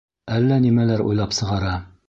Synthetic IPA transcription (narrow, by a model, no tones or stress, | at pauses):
ælːænimælæɾṵjlˠɑpsɤ̆ʁɑɾɑ